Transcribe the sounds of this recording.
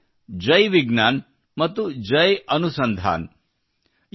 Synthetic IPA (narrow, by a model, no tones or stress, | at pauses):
d͡ʒɐjʋiɡnaːn | mɐt̪ːud͡ʒɐjɐnusɐnd̪ʱa̰ːn